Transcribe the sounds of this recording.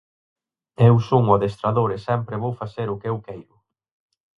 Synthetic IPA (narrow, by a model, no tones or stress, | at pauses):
ewsoŋaðest̪ɾaðoɾesɛmpɾɪβowfaθeɾʊkewkɛjɾʊ